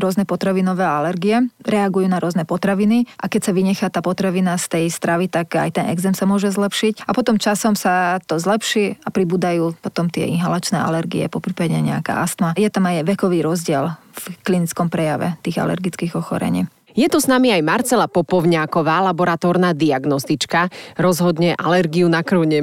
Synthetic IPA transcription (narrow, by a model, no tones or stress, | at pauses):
ɾʊɔznɛpɔt̪ɾaʋinɔʋɛːalɛɾɡiɛɾɛaɡujuːnaɾʊɔznɛpɔt̪ɾaʋiniʔa̰kɛcsaʋiɲɛxat̪aːpɔt̪ɾaʋinast̪ɛjst̪ɾaʋit̪aka̰jt̪ɛnʔɛ̰ɡzɛmsamʊɔʒɛzlɛpʃicapɔt̪ɔmt͡ʃasɔmsat̪ɔzlɛpʃiːapɾibuːd̪ajuːpɔt̪ɔmt̪ɪɛ̰inɦalat͡ʃnɛ̰ːʔa̰lɛɾɡḭɛ̰pɔpɾiːpaɟɛɲɛ̰a̰ka̰ːʔast̪majɛt̪amajʋɛkɔʋiːɾɔzɟɪɛl | fklinit͡skɔmpɾɛjaʋɛ̰t̪iːɣa̰lɛ̰ɾɡit͡skiːɣɔxɔ̰ɾɛ̰ɲḭː | jɛt̪ɔsnamiajmaɾt͡sɛlapɔpɔʊɲaːkɔʋaːlabɔɾat̪ɔːɾnaːd̪iaɡnɔst̪it͡ʃkaɾɔzɦɔd̪ɲɛʔalɛɾɡiunakɾuʊɲɛ